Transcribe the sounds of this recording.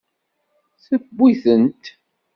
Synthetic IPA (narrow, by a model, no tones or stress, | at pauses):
θəbːiθənt̪